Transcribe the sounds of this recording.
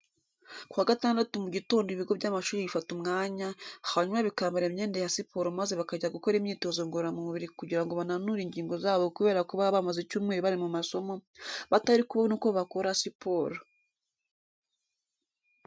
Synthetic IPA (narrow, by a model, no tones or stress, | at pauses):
kwaɡataːndatumuɟito̞ːndiβiɡo̞βbɟamaʃuːɾiβifatumŋaːɲahaɲumaβikaːmbaɾemɲe̞ːndejasipʰo̞ːɾomaze̞βakaɟaɡuko̞ɾimɲiːto̞zoŋɡoɾamumuβiɾikuɟiɾaŋɡo̞βananuɾiɲɟiːŋɡo̞zaːβo̞kuβe̞ːɾakuβaβamazet͡ʃuːmŋeːɾiβaɾimumaso̞mo̞βataɾikuβanuːko̞βakoɾasipʰo̞ɾo